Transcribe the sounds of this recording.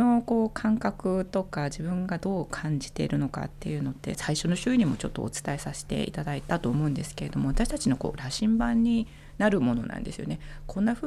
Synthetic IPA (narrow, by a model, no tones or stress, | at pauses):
o̞ko̞ːkʰãŋkakɯ̟t̪o̞kad͡ʑibɯ̟̃ŋɡad̪o̞ːkʰãɲ̟d͡ʑi̥t̪e̞̰ɾɯ̟no̞ka̰t̪ːe̞̰jɯ̟ːno̞t̪ːe̞̰saiɕo̞no̞ɕɨiɲ̟imo̞t͡ɕo̞t̪ːo̞̰ːt͡sɨ̥t̪aesase̥t̪e̞̰ḭt̪ad̪ait̪at̪o̞ːmo̞ɯ̟̃nd̪e̞sɨ̥ke̞ɾe̞d̪o̞mo̞at̪aɕi̥t̪at͡ɕino̞ko̞̰ːɾaɕĩmbãɲ̟ːi | naɾɯ̟mo̞no̞̰nʔã̰nd̪e̞sɨjo̞̰ne̞kʰõ̞nːaɸɯ